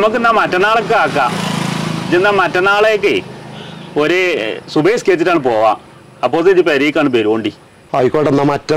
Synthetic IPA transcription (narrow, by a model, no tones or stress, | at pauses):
muk̬ːɨnːaːmɐtːɐnaːɭekːɨaːkːa | d͡ʑenːaːmɐtːɐnaːɭejokːe | oɾesubejskeːt͡ɕːitːaːɳɨpo̞ːʋa̰ː | ɐpːoːsed͡ʑipɐɾijikːaːɳɨbeɾoːɳɖi | ɐjikːoːɖenːaːmɐtːɐ